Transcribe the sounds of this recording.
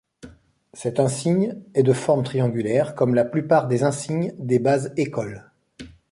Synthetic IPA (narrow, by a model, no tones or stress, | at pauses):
sɛt̪ɛ̃siɲɛd̪əfɔʁmt̪χijɑ̃ɡʲylɛʁkɔmlaplypaʁd̪ezɛ̃siɲd̪ebazekɔl